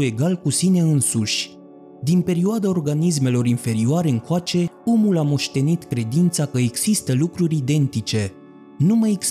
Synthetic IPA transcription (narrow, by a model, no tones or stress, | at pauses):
e̞ɡalkusine̞ɨnsuʃʲ | d̪inpe̞ɾioad̪ao̞rɡanis̬me̞lo̞ɾinfe̞ɾioaɾe̞ɨŋkoat͡ʃe̞omulamo̞ʃt̪e̞nit̪kɾe̞d̪int̪sakəeɡz̥ist̪əlukɾuɾʲid̪e̞nt̪it͡ʃe̞ | numajeɡs